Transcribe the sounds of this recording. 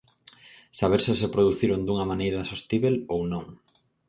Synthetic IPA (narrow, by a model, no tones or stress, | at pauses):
saβ̞eɾsɪsepɾoðuθiɾond̪uŋɐmanejɾasost̪iβelownõŋ